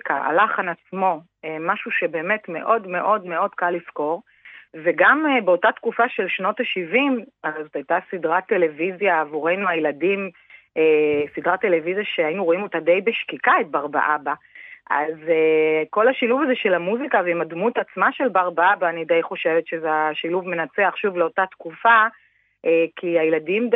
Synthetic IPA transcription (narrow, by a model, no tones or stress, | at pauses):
ka̰a̰laχanat͡smo̞ | emaʃuʃe̞be̞ːme̞tme̞ʔo̞dme̞ʔo̞dme̞o̞dkalːisko̞ʁ | veɡamebeo̞tatkufaʃe̞lʃno̞taʃivimaʁejzotajtasidʁatːe̞le̞vizjaːvuʁe̞nuajladim | esidʁate̞le̞vizjaʃeainuʁo̞imo̞tade̞jbeʃkikaet̚baʁba̰ʔaba | ʔa̰zeko̞laʃiluvazeʃe̞lamuzikaveimadmutat͡smaʃe̞lbaʁbaabaːnidejχo̞ʃe̞vetʃezeaʃiluvme̞nat͡seaχʃuvleo̞tat̪kufa | ʔekiajeladim